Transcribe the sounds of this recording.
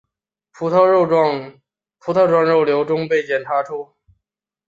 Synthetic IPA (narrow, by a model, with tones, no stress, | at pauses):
pʰu˧˥t̪ʰ | pʰu˧˥t̪ʰɑ˥˧ʊʈ͡ʂwa˥˧ŋɻo˥˩ʊljo˧˥ʊʈ͡ʂʊ˥ŋpe˥˩ɪt͡ɕjɛ˨˩nʈ͡ʂʰa˧˥ʈ͡ʂʰu˥